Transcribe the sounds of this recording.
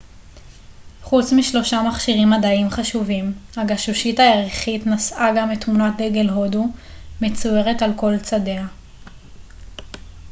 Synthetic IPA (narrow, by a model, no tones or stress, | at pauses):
χut͡smiʃlo̞ʃamaχʃiʁimːadaimχaʃuvimhaɡaʃuʃitaeʁeχitnasaɡametmunat̚deɡelɦodu | me̞t͡suje̞ʁe̞talko̞lt͡sade̞a